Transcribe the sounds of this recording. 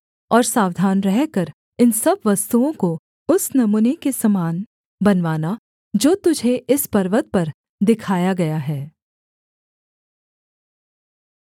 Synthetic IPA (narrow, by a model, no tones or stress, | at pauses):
ɔːɾsaːʋd̪ʱaːnɾɛɦkɐɾ | ɪnsɐbʋɐst̪uõko | ʊsnɐmuːnekesɐmaːn | bɐnʋaːna | d͡ʒoːt̪ʊd͡ʒʱeʔɪspɐɾʋət̪̚pɐɾ | d̪ɪkʰaːjaɡɐjaɦɛː